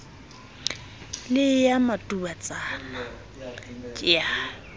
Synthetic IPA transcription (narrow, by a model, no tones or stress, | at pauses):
lɪjamatʼubat͡sʼana | t͡ʃʼɪa